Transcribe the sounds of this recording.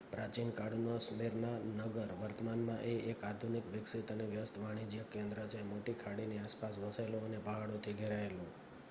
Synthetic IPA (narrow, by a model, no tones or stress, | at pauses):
pɾat͡ʃinkaɽunosmiɾnanəɡəɾʋəɾt̪əmanmãʔeekad̪ʱunikʋɪksit̪əneʋjəst̪ʋaɽ̃id͡ʒijəkẽnd̪ɾad͡ʒʰemoʈikʰaɽiniaspasʋəseloənebʱaɦaɽot̪ʰiɡʱeɾaelũ